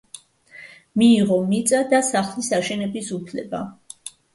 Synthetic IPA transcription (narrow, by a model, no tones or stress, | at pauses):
miːʁɔmit̪sʼad̪asaχlisaʃɛnɛbisupʰlɛ̰ba̰